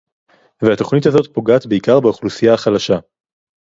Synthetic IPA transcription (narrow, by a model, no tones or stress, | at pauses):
veat̪o̞χnithazo̞t̪po̞ɡaːt̪beikaʁbeoχlusijaːχalaʃa